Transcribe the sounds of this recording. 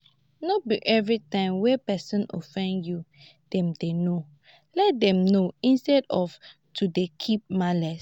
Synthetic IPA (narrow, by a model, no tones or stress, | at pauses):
nobiʔɛvɹitãɪ̃mwɛpɛsɔ̃no̰fɛ̃ndju | d̥ɛ̃mdeno | lɛt̚dɛ̃mnoĩnstɛdɔf | tudekʰip̚malɛs